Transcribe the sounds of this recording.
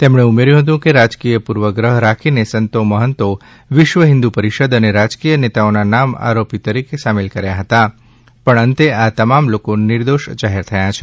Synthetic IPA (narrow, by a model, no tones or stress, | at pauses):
t̪emɳ̃eumeɾjũɦət̪̬ũkeɾad͡ʒkijəpuɾʋəɡɾəɦɾakʰinesənt̪oməɦənt̪o | ʋɪʃʋəɦɪ̃nd̪upəɾiʃəd̪əneɾad͡ʒkijənet̪aonanama̰ɾopit̪əɾikesamɪlkəɾjaɦət̪a | pəɳə̃nt̪eat̪əmamlokonɪɾd̪oʃd͡ʒaɦeɾt̪ʰəjat͡ʃʰe